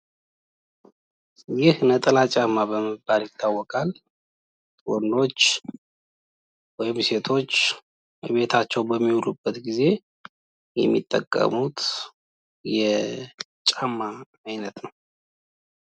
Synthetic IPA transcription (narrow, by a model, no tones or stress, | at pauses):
jɪhnət̪ʼəlat͡ʃʼamːabəməbaljɪt̪ʰːawːɔkʼal | t̪ʼondo̞t͡ʃː | wɔjɪmse̞t̪ʰo̞t͡ʃː | βe̞t̪ʰat͡ʃːɛwbəmːiulubːət̪ɡize̞ | jɛmːḭt̪ʼːə̰kʼːə̰mut̪ | jɛ | t͡ʃʼamːaː | jnət̪nəw